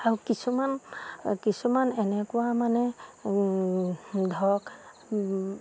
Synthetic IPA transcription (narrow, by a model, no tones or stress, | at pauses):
aɹukisʰumankisumanɛnɛkʊwamanɛ | dʱɔk